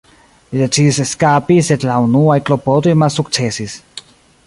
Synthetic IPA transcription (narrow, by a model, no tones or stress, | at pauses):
lidet͡ʃiseskapise̞dlaunuajklo̞po̞tojmalsukt͡se̞sis